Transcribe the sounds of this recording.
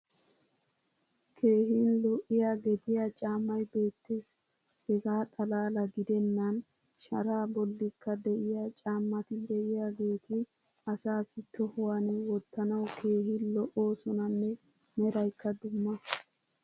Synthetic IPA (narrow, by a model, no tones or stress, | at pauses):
kʰe̞ːɦinlɔʔɪjaːɡɛt̪ɪjat͡ʃʼaːmːɐjbe̞ːt̪ːes | hɛɡaːt̪ʼɐlaːlɐɡɪd̪ɛnːɐn | ʃɐ̰ɾaːbɔlːɪkːɐd̪ɛʔɪjat͡ʃʼaːmːɐt̪ɪd̪ɛʔɪjaːɡe̞ːt̪ɪ | ɐsaːsɪt̪ɔhʊwanɛwɔt̪ːɐnɐwkʰe̞ːhɪnlɔʔo̞ːsɔnɐnːɛ | mɛɾɐjkːɐd̪ʊmːɐ